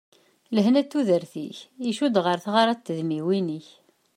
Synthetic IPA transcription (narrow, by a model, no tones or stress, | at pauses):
ləhnæt̪ːuðəɾθḭçiʃud̪ʁəɾθʁaɾˤat̪ːəðmiwiniç